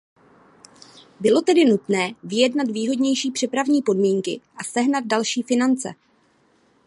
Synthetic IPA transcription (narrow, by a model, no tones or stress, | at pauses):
bɪlo̞t̪ɛdɪnut̪nɛːvɪjɛdnat̪viːɦo̞dɲɛjʃiːpr̥ɛpɾavɲiːpo̞dmiːŋkɪʔasɛɦnad̪̚dalʃiːfɪnant͡sɛ̰